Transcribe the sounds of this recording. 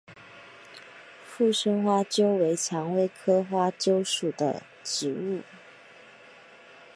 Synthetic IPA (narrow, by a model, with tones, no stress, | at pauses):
fu˥˩ʂə˥ŋxwa˥t͡ɕjo˥ʊwe˧˥ɪt͡ɕʰjɑ˧˥ŋwe˥˩ɪkʰɤ˥xwa˥t͡ɕjo˥ʊʂu˨˩d̪ə̰˦ | t͡ɕ̩˧˥u˥˩